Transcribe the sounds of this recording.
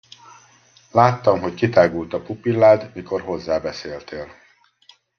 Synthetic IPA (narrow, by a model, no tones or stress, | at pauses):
laːt̪ːɒmɦockit̪aːɡult̪ɒpupilːaːd̪miko̞rɦo̞zːaːbɛseːlt̪eːl